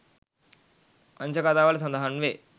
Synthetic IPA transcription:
ɐnt͡ʃɐkaːt̪aːʋaːlɐs̬ɐnd̪ɐɦanʋeː

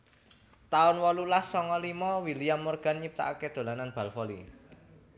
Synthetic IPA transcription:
t̪aʊnwɔlulahsɔŋɔlimɔwilijamːorɡ̥a̤nɲip̚t̪a̰aked̪̥o̤lananb̥a̤lfɔlḭ

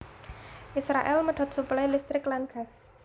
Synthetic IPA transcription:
ʔisɾaʔɛlməɖ̪̥ɔ̤t̪̚suplajlist̪ɾɪklanɡ̥as

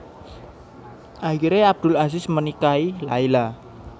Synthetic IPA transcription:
ʔaɦiɾeab̚d̪̥ʊ̤las̬ɪsmənikailaila

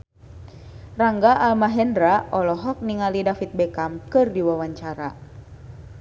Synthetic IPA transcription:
raŋɡaʔalmaɦɛndɾaɔlɔɦɔk̚niŋalidafit̪̚bɛkamkɨrdiwawaɲt͡ʃaɾa̰

